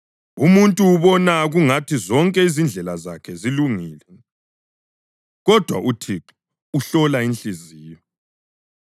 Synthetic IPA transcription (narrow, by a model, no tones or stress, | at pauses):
umuntʼuːβɔnaɣuŋatʰizɔŋkʼɛizind͡ɮʱɛlaza̰kʰɛziluŋiːlɛ | ɣɔd̥ʱwa̰ʔutʰiǃi̥ | uɬɔlainɬʼiziːjɔ